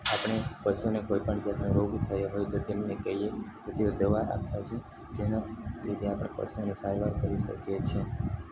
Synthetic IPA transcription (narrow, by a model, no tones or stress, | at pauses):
apɳ̃epəʃunekojpəɳd͡ʒat̪neʋəit̪ʰəjoɦojt̪ot̪emnekɛɦijeket̪eod̪əʋaɾa̰p̚t̪at͡ʃʰe | d͡ʒenad͡ʒet̪eapɽ̃epə̰ʃunesajʋaɾkəɾiʃə̰kjet͡ʃʰe